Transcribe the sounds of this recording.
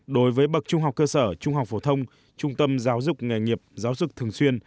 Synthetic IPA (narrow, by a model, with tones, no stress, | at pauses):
ɗo˨˦jvəː˨˦jɓə˨˩t̚t͡ɕʊ˧ŋ͡mɦa˨˩k͡pkəː˧səː˧˩t͡ɕʊ˧ŋ͡mɦa˨˩wk͡p̚fo˧˩t̪ʰə˧wŋ͡m | t͡ɕʊ˧ŋ͡mt̪ə˧mzaː˨˦wzʊ˨˩k͡p̚ŋa˨˩jŋi˨˩əp̚zaː˨˦wzʊ˨˩k͡p̚t̪ʰɨ˨˩əŋswi˧ən